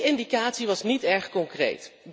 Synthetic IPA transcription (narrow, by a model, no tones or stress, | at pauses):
ɪndikaːtsiʋɑsnitɛɹχkɔŋkrḛjt